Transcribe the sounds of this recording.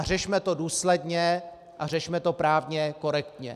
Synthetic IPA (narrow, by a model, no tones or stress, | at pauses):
r̝ɛʃmɛt̪o̞duːslɛdɲɛ | ʔar̝ɛʃmɛt̪o̞pɾaːvɲɛko̞ɾɛkt̪ɲɛ̰